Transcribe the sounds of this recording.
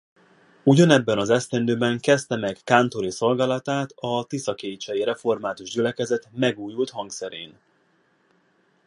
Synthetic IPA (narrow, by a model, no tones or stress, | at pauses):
uɟɒnɛbːɛnɒzɛst̪ɛnd̪øːbɛŋkɛst̪ɛmɛkːaːnt̪o̞ɾiso̞lɡaːlɒt̪aːt̪ɒt̪isɒkeːt͡ʃɛjiɾɛfo̞rmaːt̪uʒɟylɛkɛzɛt̪mɛɡuːjult̪hɒŋksɛɾḛːn